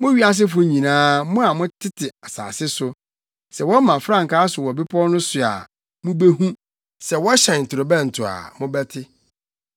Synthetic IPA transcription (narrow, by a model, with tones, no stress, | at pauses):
mʊ̃˦ɥi˦a˦s̬ɪ˦fʊ˦ɲĩ˨nãː˦mʊ̃˦a˨mʊ̃˦tʰɪ˦tʰɪ˨a˨sa̰ː˨sɪ˦sʊ˨˦ | sɛ˨wɔ˦mã˨fɾã˦˨ŋ̩˨kaː˦sʊ˨wɔ˨bɪ˦pʰɔ˦nʊ̃˦sʊ˨a̰˨ | mʊ̃˦be˦hũ˦ | sɛ˨wɔ˦ɕɛ̃˨n̩˨tʰʊ˨ɾo˨bɛ̃˦˨n̩˨tʰʊ˨a̰˨mʊ̃˦bɛ˦tʰɪ˦